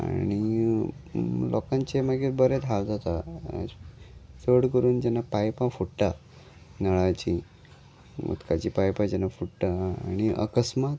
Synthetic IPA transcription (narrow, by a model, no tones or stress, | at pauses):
a̰ɽ̃i | lʔɔkãɲt͡ɕemaɡet̪bəɾet̪ald͡zat̪a̰ | t͡səɽkəɾuːnd͡ʑɛnːapajpãfuʈʈa | nəɭat͡ɕi | mə̰t̪kad͡ʑipajpad͡ʑɛnafuʈʈaaɽ̃iʔə̰kəsmat̪